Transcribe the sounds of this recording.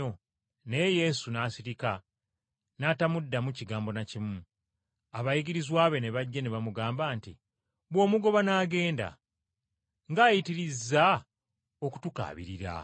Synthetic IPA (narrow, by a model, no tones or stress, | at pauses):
o | ne̞je̞ːsunaːsiɾika | natamudːamuciɡaːmbo̞nacimu | aβajiɡiɾizwaːβe̞neβaɟːaneβamuɡaːmbaːntḭ | βwoːmuɡo̞βanaːɡe̞ːnda̰ | ŋɡaːjitiɾizːa | o̞ku̥tuka̰ːβḭɾiɾa̰